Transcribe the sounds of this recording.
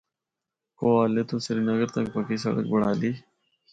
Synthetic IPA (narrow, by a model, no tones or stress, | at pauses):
koaːlet̪osɐɾinɐɡəɾt̪ɐk̚pɐkis̬ɐ̰ɽə̰k̚bʊɽaːli